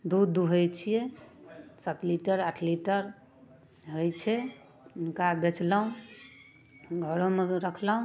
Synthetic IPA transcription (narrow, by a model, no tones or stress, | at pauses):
d̪ud̪uɦəjt͡ʃʰijɛ | sət̪liʈəɾaʈʰliʈəɾ | ɦojt͡ʃʰɛ | unkabet͡ʃləɦũ | ɡʱəɾõmeɾəkʰləɦũ